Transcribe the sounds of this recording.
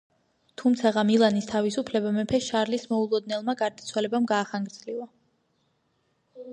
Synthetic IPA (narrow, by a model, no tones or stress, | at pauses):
t̪ʰumt̪sʰaʁamilˠanist̪ʰavisupʰlɛbamɛpʰɛʃaɾlismɔulˠɔd̪̚nɛlˠmaɡaɾd̪at̪sʰwalɛbamɡaːχaŋɡɾd̪z̥liva